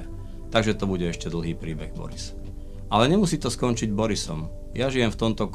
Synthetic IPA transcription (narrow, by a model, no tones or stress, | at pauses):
t̪aɡʒɛt̪ɔbuɟɛɛʃcɛd̪l̩ɦiːpɾiːbɛɣbɔ̰ɾis | ʔalɛɲɛmusiːt̪ɔskɔnt͡ʃiɟbɔɾisɔ̰m | jaʒijɛmft̪ɔmt̪ɔk